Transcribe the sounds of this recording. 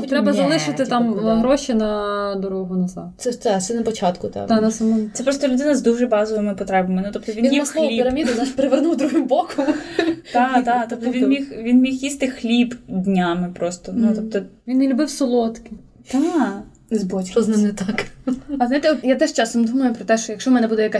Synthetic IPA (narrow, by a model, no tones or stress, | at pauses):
but̪ʲɾɛbɐzɐlˠɪʃɪt̪ɪt̪ɑmɦɾɔʃinɐd̪ɔɾɔɦʊnɐzɑ̰t̪sɛt̪ɛsɛnɐpɔt͡ʃɑt̪kʊt̪ɑ̰d̪anɐsɐmɔnt̪ɛpɾɔst̪ɔlʲʉd̪ɪnɐzd̪uʒɛbɑzɔʋɪmɪpɔt̪ɾɛbɐmɪnut̪ɔp̚t̪ɔʋinjiɐɔlʲipɪɾɐmʲid̪ʊznaʃpeɾeʋernuwd̪ɾuɦɪbɔkʊd̪at̪d̪at̪ɔp̚t̪ɔʋinmʲixʋʲinmʲixjist̪ɪxlʲibd̪ʲnʲamɪpɾɔst̪ɔnut̪ɔp̚t̪ɔʋinːelʲubɪwsɔlˠɔt̪kɪ | d̪̥a | nɪzbɔt͡ʃʲkɔznɪmnɛt̪ɑkɐzajt̪ɛɔt̪jat̪ɛʃt͡ʃɑsɔmd̪umɐjʊpɾɔt̪ɛʃt͡ʃɔjɐkʃt͡ʃɔmɛnɛbud̪ɛjɐka